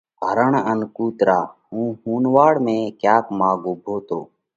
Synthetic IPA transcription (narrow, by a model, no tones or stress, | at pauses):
bʱəɾəɳənkuːt̪ɾaːɦũːhuːnʋaːɽmẽːkjaːkmãːɡobʱoːt̪oː